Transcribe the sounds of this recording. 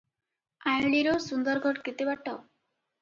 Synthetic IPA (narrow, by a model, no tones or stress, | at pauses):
ãjɭiɾɔsund̪ɔɾɡʱɔɽkit̪ibaʈɔ